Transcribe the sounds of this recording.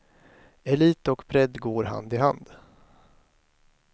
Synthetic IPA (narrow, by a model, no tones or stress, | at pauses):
ɛliːt̪ɔkpʰɾɛd̪ɡoːɾɦa̰nd̪ɪɦand̪